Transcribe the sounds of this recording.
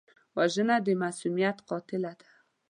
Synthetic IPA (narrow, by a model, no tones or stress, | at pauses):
waʒənad̪əmasumijat̪qɑt̪ɪlad̪ḁ